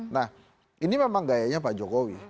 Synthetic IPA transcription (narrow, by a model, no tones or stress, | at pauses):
na | inimamãŋɡajɛɲãpad͡ʒɔɡɔwḭ